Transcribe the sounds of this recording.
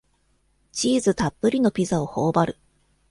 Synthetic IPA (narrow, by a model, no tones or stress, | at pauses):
t͡ɕiːzɨt̪apːɯɾʲino̞pʲizao̞ho̞ːbaɾɯ̟